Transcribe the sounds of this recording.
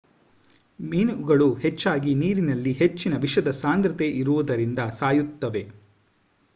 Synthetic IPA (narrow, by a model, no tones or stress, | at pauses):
miːnuɡɐɭuhet͡ʃːaːɡiniːɾinɐlːiɦet͡ʃːinɐʋiʃɐd̪ɐsaːnd̪ɾɐt̪e̞ʔiɾuʋud̪ɐɾind̪ɐsaːjut̪ːɐʋe̞